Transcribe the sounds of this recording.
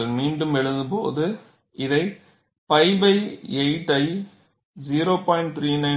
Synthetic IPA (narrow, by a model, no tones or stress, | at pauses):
lmiːɳɖɯmɛɻɯnd̪ɯpo̰ːðɯ | ʔɪðɐɪ | pɐɪbɐɪeɪʈːɐɪ | d͡ʒiːɾoːpaːɪɳʈ̚t̪ʰɾiːnɐɪ